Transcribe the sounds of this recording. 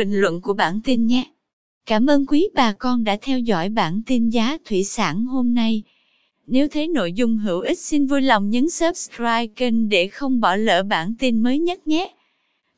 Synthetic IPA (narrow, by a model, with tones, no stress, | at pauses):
ï˨˩ŋ̟lwə̰˧˨nku˧˩əɓaː˧˩nt̪i˧nɲɛ˨˦ | kaː˧˩mʔəː˧nkwi˨˦ɓaː˨˩kɔ˧nɗa̰ː˧˥t̪ʰɛ˧wzɔ̰˧˩˨jɓa̰ː˧˩nt̪i˧nzaː˨˦t̪ʰwḭ˧˨sa̰ː˧˩nho˧mna˧j | ne˨˦wt̪ʰe˨˦no̰˧˨jzʊ˧ŋ͡mɦɨ˧˩əwʔï˦˥k̟̚si˧nvu˧jlɔ˨˩wŋ͡mɲɨ̰˧˥ŋsəː˦˥p̚skɹaː˧jki˧ŋɗe˧˩xə˧wŋ͡mɓɔ˧˩lə̰ː˧˨ɓa̰ː˧˩nt̪i˧nməː˨˦jɲə˦˥t̚ɲɛ˦